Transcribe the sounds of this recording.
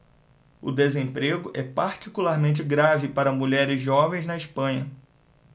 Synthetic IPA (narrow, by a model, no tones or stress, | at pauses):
ʊ̰d̪ezẽpɾeɡʊʔɛpaɾt͡ʃikulaɾmẽnt͡ʃɪɡɾavɪpaɾɐmuʎɛɾɪzʒɔvẽj̃znɐiʃpɐ̃ɲɐ